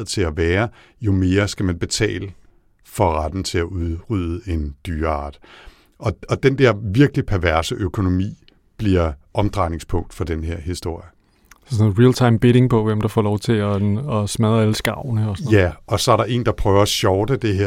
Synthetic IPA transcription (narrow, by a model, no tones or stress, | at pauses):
ð̩ˠt͡sʰe̝læʋæːɐ | jo̝me̝ːɐsɡ̥æmænb̥e̝t͡sʰɛ̰ːlə | fɒ̽ʁad̥n̩t͡sʰe̝læʔuðˠʁyð̰ˠəe̝nd̥yːɐɑ̈ːd̥ | ʔɒ̽ɒ̽d̥end̥ɛɐ̰ʋiɐɡ̥əlipʰæɐʋæɐsəʔøkʰo̝no̝mḭː | b̥liɐʔɒ̽md̥ʁɑ̈ɪne̝ŋspʰɔ̽ŋ̰d̥fɒ̽d̥enɦeɐ̰hisd̥o̝ɐ̰jə | ssɔnð̩ˠʁilt͡sʰɑ̈ɪmb̥eɾe̝ŋpʰɒ̽ʋemd̥ɑ̈fɒ̰ːlɒʊt͡sʰe̝ɒɒsmæð̞ˠæləsɡ̥ɑ̈ʊ̰nəɒsjæɒ̽sɒ̽æɐɾɑ̈ʔe̝̰ːnd̥ɑ̈pʰʁœːʊɐɕɒʊd̥əd̥e̝ɦeɐ